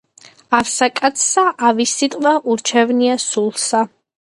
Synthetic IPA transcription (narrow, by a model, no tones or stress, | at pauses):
avsakʼat̪sʰsaʔavisːit̪ʼvaʔuɾt͡ʃʰɛvniasulˠsa